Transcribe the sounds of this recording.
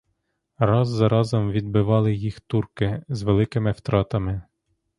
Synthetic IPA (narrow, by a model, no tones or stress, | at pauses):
ɾɑzːɐɾɑzɔmʋʲid̪bɪʋɑlˠɪjixt̪urkɪzʋelˠɪkɪmɪwt̪ɾɑt̪ɐmɪ